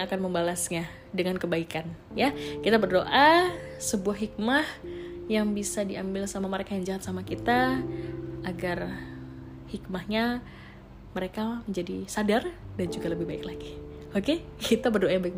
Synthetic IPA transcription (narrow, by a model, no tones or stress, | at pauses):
akanməmbalasɲa | dəŋankəbaikan | jakit̪abərdoʔasəbuahɦik̚mahjaŋbisadiambɪlsamaməɾekajaŋd͡ʒaɦat̪̚samakit̪a | aɡar | hikmahɲa | məɾekaməɲd͡ʒadisadardand͡ʒuɡaləbɪhbaɪklaɡi | okekit̪abərdoʔajaŋbaɪk̚